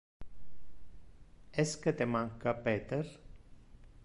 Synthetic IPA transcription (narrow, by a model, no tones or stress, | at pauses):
esket̪emaŋkapet̪eɾ